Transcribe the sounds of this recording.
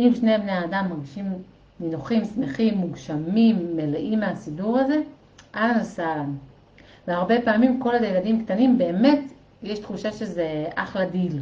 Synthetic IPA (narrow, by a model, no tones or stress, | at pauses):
ʔimʃne̞bnejaːdamːaʁɡiʃim | minuχimsmeχimːuɡʃamimːeleʔimeasiduʁaze̞ | ʔalanosalan | veaʁbe̞paːmimko̞laljeladimkt̪animbe̞ːme̞t | jeʃt̪χuʃaʃezeʔaχladil